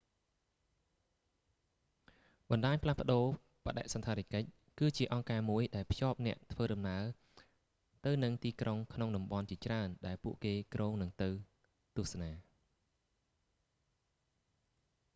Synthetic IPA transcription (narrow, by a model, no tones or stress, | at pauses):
ɓɑnɗaːɲpʰlahpə̆ɗoː | pə̆ɗa̰ʔsɑnt̪ʰaːɾikəc̚ | kɨːt͡ɕiəʔɑŋkaːmuəjɗaɛlpʰjoːp̚nɛ̆əʔt̪ʰʋəːɗɑmnaə | t̪ɨwnɨŋt̪iːkroŋkʰnoŋɗɑmɓɑnt͡ɕiət͡ɕraənɗaɛlpuəʔkeːkrʔoːŋnɨŋt̪ɨw | t̪ŭəhsanaː